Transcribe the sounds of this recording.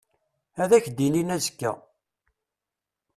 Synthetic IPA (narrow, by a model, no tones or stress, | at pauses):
æðæçd̪ininæzəkːæ̰